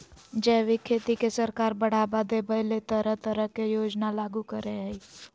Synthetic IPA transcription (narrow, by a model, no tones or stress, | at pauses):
d͡ʒɛːʋikʰːeːt̪ikesəɾkaːɾbəɽ̤abad̪ebəɦlet̪əɾəɦt̪əɾəɦkejoːd͡ʒnalaːɡukəɾeɦɛi